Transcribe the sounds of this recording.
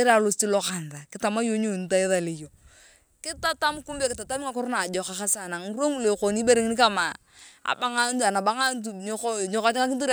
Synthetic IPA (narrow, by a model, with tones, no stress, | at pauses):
e˦ɾa˨lo˦sti˦lɔ˦ka˨n˨da˨kɪ˦ta˨ma˦jo˦ɲo˦˨n˨˦ta˦e˦ða˨le˨jo˨ | kɪ˦ta˦ta˦mku˦mbe˦kɪ˨ta˨ta˦mɪ˦ŋa˦kɔ˦ɾna˨d͡ʒɔ˨ka˨ka˦sa˨na˨ŋ˦ɾo˦ŋu˦˨le˨ko˨ni˦be˦ɾe˦ŋ˦ni˦ka˦ma˨ | a̰˨ba˦ŋa˦n˦tu˨a˨na˨ba˨˦ŋa˦nt̬u˨ɲo˦ko˦˨ɲo˦ka˦t͡ʃɪ˦ŋa˦k̬ɪ˦tu˦